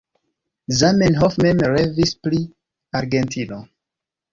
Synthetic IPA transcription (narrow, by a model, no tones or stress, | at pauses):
zamenɦofmemɾevispli | aɾɡentʰino